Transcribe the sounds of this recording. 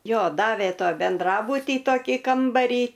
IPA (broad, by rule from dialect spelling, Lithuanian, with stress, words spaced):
ˈjoː ˈdɑːʋʲeː ˈtoː bʲɛnˈdrɑːbʊtʲiː ˈtoːkʲiː ˈkɐmbɐrʲiː